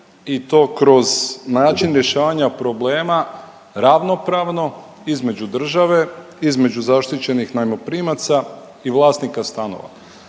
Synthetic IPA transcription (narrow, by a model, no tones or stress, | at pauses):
it̪o̞ːkɾo̞znaːt͡ʃinɾje̞ʃaːʋaɲapɾo̞bleːma | ɾaʋno̞pɾaʋno̞ | izme̞d͡ʒud̪r̩ʒaʋe̞ | izme̞d͡ʒuzaʃt̪it͡ɕe̞nixnajmo̞pɾiːmat̪sa | iʋlˠaːst̪nikast̪ano̰ʋa̰